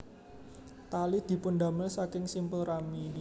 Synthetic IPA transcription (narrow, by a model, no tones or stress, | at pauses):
t̪alid̪̥i̤pʊnd̪a̤məlsakɪŋsimpəlramin